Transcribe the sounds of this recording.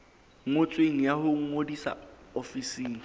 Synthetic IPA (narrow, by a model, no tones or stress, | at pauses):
ŋ̩ŋʊt͡sʼweŋ̩jahʊŋ̩ŋodisa̰ofisiːŋ̩